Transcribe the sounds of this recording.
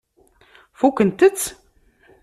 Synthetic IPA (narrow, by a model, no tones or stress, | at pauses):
fukənt̪ət͡sː